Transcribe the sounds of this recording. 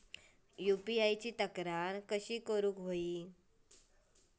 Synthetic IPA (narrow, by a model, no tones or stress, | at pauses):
jupiajt͡ɕiːt̪əkɾaɾkəɕiːkəɾuːkɦoiː